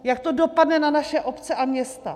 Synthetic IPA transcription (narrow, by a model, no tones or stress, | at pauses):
jak̚t̪o̞do̞padnɛnanaʃɛʔo̞pt͡sɛʔamɲɛst̪a̰